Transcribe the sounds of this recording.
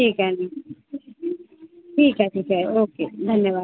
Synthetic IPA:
ʈiːkɛni | ʈʰiːkɦɛʈʰiːkɛoːkeːd̪ʱɐnjəʋaː

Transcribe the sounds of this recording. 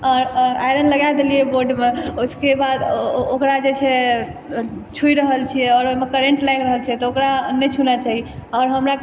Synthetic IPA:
ɔɾajɾənləɡajd̪elijeboɾɖmeoskebad̪okɾad͡ʒet͡ʃʰɛ | t͡ʃʰujɾəɦəlt͡ʃʰijɛɔɾoimekəɾẽɳʈlajnɾəɦəlt͡ʃʰiɛt̪ɔokɾanɛt͡ʃʰunat͡ʃaɦiɔːɾɦəmɾa

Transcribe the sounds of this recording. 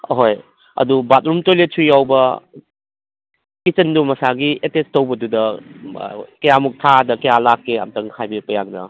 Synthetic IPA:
ɦoj | ɐ̰dubat̚ɾumtojlesʰujawbɐ | kit͡ʃɐndumɐsaɡietestɐwbɐdudɐ | kɐjamuk̚tʰadɐkɐjalakːeɐ̰mtɐŋhʰajbepɐjaŋnɐ̰

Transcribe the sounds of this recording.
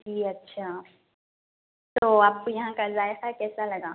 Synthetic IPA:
d͡ʒiːɐtːʃʰaː | t̪oːaːp̚kojɐɦãkazaːjexakɛːsalɐɡaː

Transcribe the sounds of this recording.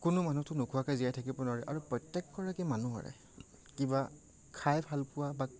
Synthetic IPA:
kʊnʊmanutʊnʊkʰuakajzijajtʰakibɔnɔɹɛʔa̰ɹupɹɔtːɛkːɔɹakɛmanuɦa̰ɹɛ̰ | kiba | kʰajbʱalpʊwaba

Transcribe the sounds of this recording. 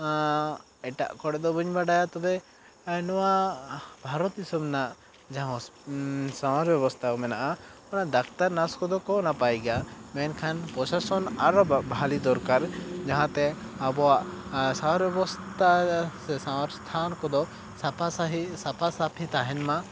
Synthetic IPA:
ɛʈa̰ʔkɔɽɛd̪ɔbuɲbaɖajat̪ɔbɛ | nɔwabʱaɾɔt̪isɔbnaʔ | d͡ʒaɦɔ̃ | samaɾbjɛbɔst̪ʰakɔmɛnaʔaɔnaʔd̪akt̪aɾnaskɔd̪ɔkɔnapajɡamɛnkʰanpɾɔsasɔnaɾbʱalid̪ɔɾkaɾd͡ʒaɦãt̪ɛ | abɔwaʔsamaɾbjɛbɔst̪asɛsamaɾst̪ʰankɔd̪ɔ | pʰasapʰasapʰit̪aɦɛnma

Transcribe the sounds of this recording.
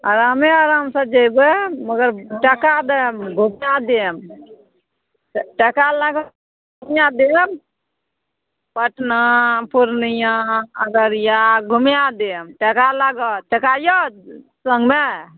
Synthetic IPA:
a̰ɾameaɾamsə̃d͡ʒəjbməɡəɾʈəkad̪emɡʱumjad̪em | ʈəkalaɡɔ | ɡumjad̪em | pəʈnapuɾnijaəɡəɾjaɡʱumjad̪emʈəkalaɡɔʈəkajɔsəŋɡme

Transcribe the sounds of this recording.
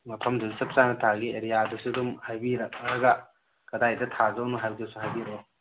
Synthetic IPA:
mɐpʰɐmduɡsɐp̚t͡ʃanɐtʰaɡieɾijadɐsudumhajbiɾɐk̚ɐɾɐɡɐ | kɐdajdɐtʰazɐwnuɦajdɐsuɦajbiɾe

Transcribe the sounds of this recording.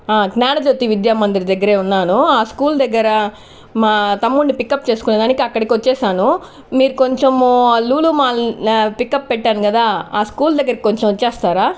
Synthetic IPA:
aːknaːɽɐd͡ʒot̪ːiʋid̪jaːmɐnd̪ɾid̪ɐɡːɐɾe̞ːunːaːnuaːskuːld̪ɐɡːɐɾɐ | maːt̪ɐmːuɳɖipikːɐpːt͡ʃe̞ːsu̥kuneːd̪aːnikiɐkːɐɽɐkiʋɐt͡ʃːɛːʃaːnu | miːɾuko̞ɲt͡ʃemluːlumaːpikːɐppɛʈːaːnukɐd̪aːaːskuːld̪ɐɡːɐɾɐki̥koɲt͡ʃemt͡ʃːɛːst̪aːɾaː

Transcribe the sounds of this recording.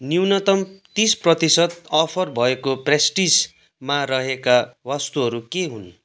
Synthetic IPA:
niwnʌt̪ʌmt̪isprʌt̪isʌd̪ʌpʰʌrbʱʌekopresʈis | maɾʌɦekawʌst̪uɦʌɾukeɦun

